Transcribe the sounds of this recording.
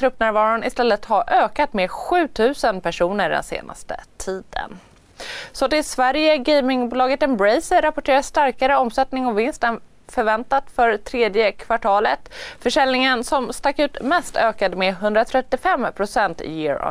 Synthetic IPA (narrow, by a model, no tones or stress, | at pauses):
t̪ʰɾɵpːnæːɾvɑːɾʊnɪ̰st̪ɛlːət̪haɾʔøːkat̪meɧʉ̟ːt̪ʰʉ̟ːsənpʰæʂuːnəɖɛ̰nsḛːna̰st̪ə̰t̪ʰiːd̪ə̰n | sɔt̪ɪlsvæɾjəɡemɪŋbuːlɑːɡət̪ɛmbɾɛjsəɾapɔʈʰeːɾast̪aɾkaɾəɔmsɛt̪nɪŋɔvɪnst̪ən | fœɾvɛnt̪at̪fœɾt̪ʰɾeːd̪jəkʰvaʈʰɑːlət̪fœʂɛlnɪŋənsɔmst̪akːʉ̟ːt̪mɛst̪ʰøːkad̪meɦɵnd̪ɾat̪ʰɾɛt̪ːɪfɛmpʰɾʊsɛnt̪jɪːɾɔ̰